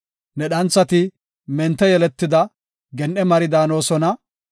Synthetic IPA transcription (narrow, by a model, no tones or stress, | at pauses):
nɛɗɐnt͡sːɐt̪ɪ | mɛnt̪ːɛjɛlɛt̪ːɪd̪ɐ | ɡɛnʔɛmɐɾɪd̪aːno̞ːsɔnɐ